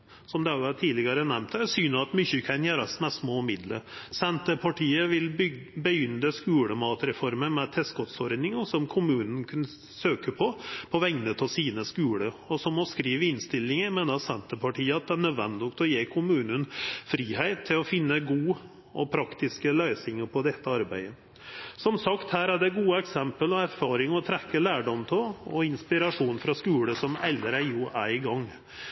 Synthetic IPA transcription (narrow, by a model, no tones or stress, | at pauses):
sɔmd̪ɛhɑɾjʊt̪ʰiːlɪɡɑɾənɛmt̪æsyːnəɑt̪mʏçəkʰæɪnjæːɾɑsmɛssmoːmɪd̪ləɾsɛnt̪əpʰɑʈʰiːəʋɪlʏbəjʏnəskʉːɽəmɑːt̪ɾɛfɔɾməmɛt̪ʰɛskɔt̪sɔɾd̪nɪŋɔsɔmkʰʊmʉːnənkʰʉn | søːkəpʰɔpʰɔʋɛŋnət̪ʰɪlsiːnəskʉːɽəɔsɔmɔskɾiːʋəɪnst̪ɪlːɪŋmeːnəɑsɛnt̪əpʰɑʈʰiːəɑt̪̚d̪ɛænœd̪ʋɛnd̪ɪʊkt̪ɔjeːkʰʊmʉːnənfɾiːheɪt̪ʰːɪlɔfɪnːəɡuː | ʔɔpʰɾɑkt̪ɪskəlœʏsɪŋəpʰɔd̪ɛt̪ːəɑɾbæɪə | sɔmsɑkt̪hæːɾæɖɛɡuːəɛksɛmpəlɔæɾfɑːɾɪŋɔt̪ʰɾɛkːəlæːɖɔmt̪ʰɔɔɪnspɪɾɑʂuːnfɾɑskʉːɽəsɔmɛld̪əɾæjuːʔæɡɑŋː